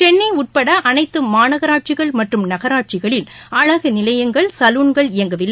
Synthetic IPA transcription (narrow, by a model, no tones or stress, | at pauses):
t͡ʃɛɳːɐɪʊʈ̚pɐɽɐʔɐnɐɪt̪ːɯmaːnɐɣɐɾaːʈ̚t͡ʃɪɣɐɭmɐʈrɯmnɐɣɐɾaːʈ̚t͡ʃɪɣɐɭɪlɐɻɐɣɯnɪlɐjɐŋɡɐɭsɐluːɳɡɐɭɪjɐŋɡɐʋɪlːɐ